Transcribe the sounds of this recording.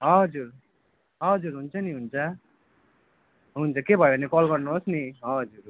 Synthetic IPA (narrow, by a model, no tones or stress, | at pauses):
ɦʌʌd͡zuɾ | ɦʌʌd͡zuɾɦunt͡sʰʌniɦunt͡sʰʌ | ɦunt͡sʰʌkebʱʌjebʌnekʌlɡʌrnuɦosniɦʌʌd͡zuɾ